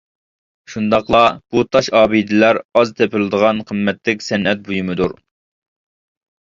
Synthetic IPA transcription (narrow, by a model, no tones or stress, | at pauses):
ʃund̪ɑqlˠɑb̥ut̪ʰɑʃɑːbid̪ɪlæɾɑzt̪ʰepʰɪlˠɨd̪əʁɑnqʰəmːɛt̪lɪkʲsɛnʔɛt̪̚bujumɨd̪uɾ